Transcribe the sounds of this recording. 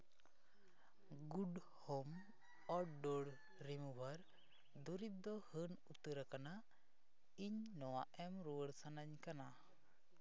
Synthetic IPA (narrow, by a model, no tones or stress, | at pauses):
ɡuɖ | hom | ɔɖoɽ | ɾimubʱaɾ | d̪uɾib̚d̪ɔhənut̪əɾakana | iɲnɔwaʔɛmɾuwəɽsanaɲkana